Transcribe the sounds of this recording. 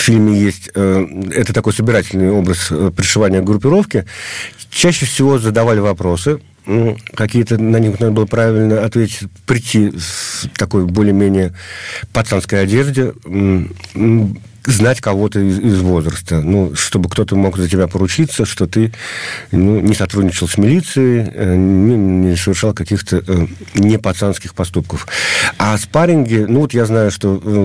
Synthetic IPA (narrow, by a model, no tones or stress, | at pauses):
ffʲilʲmʲɪjesʲtʲəɛt̪ət̪ɐko̞jsəbʲɪɾatʲɪlʲnɨjo̞bɾəsəpɾʲɪʂɨvanʲɪjəɡɾʊpʲɪɾo̞fkʲɪ | t͡ɕæɕːɪfsʲɪvo̞zəd̪ɐvalʲɪvɐpɾo̞sɨ | kɐkʲijət̪ənɐnʲixnad̪əbɨlˠəpɾavʲɪlʲnəɐt̪vʲetʲɪ̥tʲpɾʲɪt̪ʲːi | t̪ɐko̞jbo̞lʲɪjəmʲenʲɪjəpɐt̪sanskəjɐdʲe̞ʐdʲɪ | znatʲkɐvo̞t̪əɪɪzvo̞zɾəst̪ənuʂt̪o̞bɨkt̪o̞t̪əmo̞kzətʲɪbʲapəɾʊt͡ɕit̪səʂt̪o̞t̪ɨ | nunʲɪsɐt̪ɾudʲnʲɪt͡ɕɪlˠsʲmʲɪlʲit̪sɨɪnʲɪnʲɪsəvʲɪrʂɑlˠkɐkʲixt̪ə | nʲɪpɐt̪sanskʲɪxpɐst̪up̚kəfaspaɾʲɪnɡʲɪnuvo̞t̪jaznajʊʂt̪o̞